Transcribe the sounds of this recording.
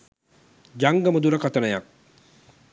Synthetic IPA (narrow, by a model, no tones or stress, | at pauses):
d͡ʒaŋɡəməd̪uɾəkat̪ənəjak̚